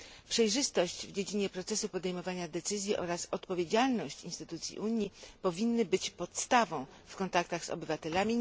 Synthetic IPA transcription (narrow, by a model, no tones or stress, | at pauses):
pʂɛjʐɘst̪ɔɕt͡ɕvd͡ʑed͡ʑiɲɛpɾɔt̪sɛsupɔd̪ɛjmɔvaɲad̪ɛt̪sɘzʲjiʔɔɾasɔt̪pɔvʲjed͡ʑalnɔɕt͡ɕḭnst̪ɘt̪ut̪sʲjḭʔuɲipɔvʲinːɘbɘt͡ɕpɔt̪st̪avɔ̃w̃ | fkɔnt̪ak̚t̪aɣzɔ̰bɘvat̪ɛlamʲi